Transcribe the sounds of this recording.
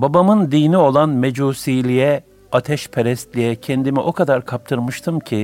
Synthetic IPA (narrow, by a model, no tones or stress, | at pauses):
babamɯnd̪iːnio̞lˠanmed͡ʒuːsiːlʲijɛ | at̪ʰɛʃpʰeɾɛst̪lʲijɛcʰɛnd̪imiʔo̞kad̪aɾkʰap̚t̪ʰɯɾmɯʃt̪ʰɯmcʰi